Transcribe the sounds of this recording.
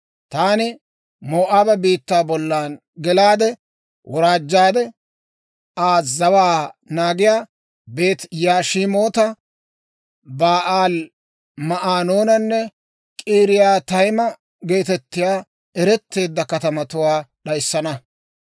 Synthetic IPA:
t̪aːnɪ | moːʔaːbɛbiːt̪ːaːbɔlːaːn | ɡɛlaːd̪ɛ | wʔɔɾaːd͡ʒːaːd̪ɛ | ʔaːzɐwaːnaːɡɪjaː | be̞ːt̪jaːʃimo̞ːt̪ɐ | baːʔaːl | mɐʔaːnoːnɐnːɛ | kʼiːɾɪjaːt̪ɐjmɐ | ɡe̞ːt̪ɛt̪ːɪjaː | ɛɾɛt̪ːe̞ːd̪ːɐkɐt̪ɐmɐt̪ʊwaːɗɐjɪsːɐnɐ

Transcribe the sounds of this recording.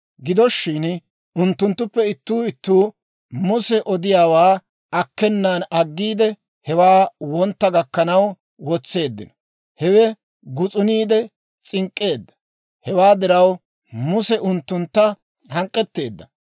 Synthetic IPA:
ɡɪd̪ɔʃːɪn | ʊnt̪ːʊnt̪ːʊpːɛɪt̪ːuːɪt̪ːuː | mʊsɛʔɔd̪ɪjaːwaː | ɐkːɛnːanɐɡːiːd̪ɛ | hɛwaːwɔnt̪ːɐɡɐkːɐnɐw | wɔt͡sːe̞ːd̪ːɪnɔ | hɛwɛ | ɡʊt͡sʼʊniːd̪ɛ | t͡sʼɪŋkʼːe̞ːd̪ːɐ̥ | hɛwaːd̪ɪɾɐw | mʊsɛʔʊnt̪ːʊnt̪ːɐ | hɐŋkʼːɛt̪ːe̞ːd̪ːɐ

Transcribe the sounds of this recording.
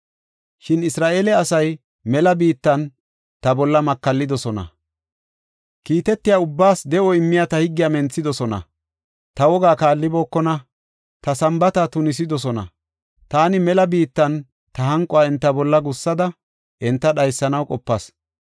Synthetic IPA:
ʃɪnɪsɾaːʔeːlɛɐsɐj | mɛlɐbiːt̪ːɐn | t̪ɐbɔlːɐmɐkːɐlːɪd̪ɔsɔnɐ̰ | kiːt̪ɛt̪ːɪjaʊbːaːsd̪ɛʔɔɪmːɪjat̪ɐhɪɡːɪjamɛnt͡sːɪd̪ɔsɔnɐ̰ | t̪ɐwɔɡaːkaːlːɪboːkːɔnɐ | t̪ɐsɐmbɐt̪ɐt̪ʊnɪs̬ɪd̪ɔs̬ɔnɐ̰ | t̪aːnɪmɛlɐbiːt̪ːɐn | t̪ɐɦɐŋkʼːɔaːɪnt̪ːɐbɔlːɐɡʊsːɐd̪ɐ | ʔɪnt̪ːɐɗɐjsːɐnɐwkʼɔpːɐs

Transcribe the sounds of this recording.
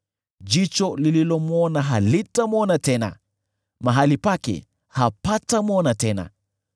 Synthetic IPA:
d͡ʒit͡ʃɔlililɔmwɔnaɦalitamɔnatɛna̰ | maɦalipakɛ̰ | hapatamɔnatɛna̰

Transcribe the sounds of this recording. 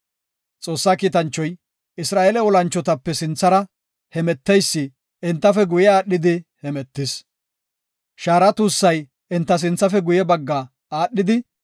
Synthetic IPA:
t͡sʼo̞ːsːaːkiːt̪ɐnt͡ʃːɔj | ɪsɾaːʔeːlɛɔlɐnt͡ʃːɔt̪ɐpːɛsɪnt͡sːɐɾɐ | hɛmɛt̪ːɛjsːɪ | ʔɛnt̪ːɐfɛɡʊjɛaːɗːɪd̪ɪhɛmɛt̪ːɪs | ʃaːɾɐt̪uːsːɐj | ɪnt̪ːɐs̬ɪnt͡sːɐfɛɡʊjɛbɐɡːaː | aːɗːɪd̪ɪ

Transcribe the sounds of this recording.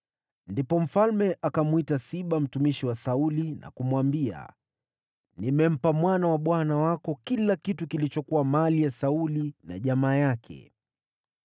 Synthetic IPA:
ndipɔm̩falmɛʔakamwitasiɓam̩tumiʃiwasaulina̰kumwambia̰ | nimɛm̩pamwanawaɓwanawakɔkilakitukilit͡ʃɔkuwamalijasaulina̰ʄamaːjakʰɛ̰

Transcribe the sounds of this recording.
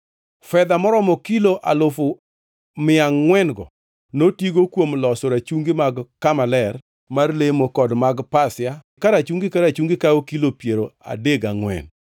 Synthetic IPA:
fɛd̪amɔɾɔmɔkiloʔalʊfʊ | mɪaŋŋwɛnɡɔ̰ | notiɡokwomlɔsoɾat͡ʃuŋɡɪmaɡkamalɛr | marlemokɔdmaɡpasɪa | kaɾat͡ʃuŋɡɪkaɾat͡ʃuŋɡɪkaokilopjeɾoa̰deɡaŋwɛ̰n

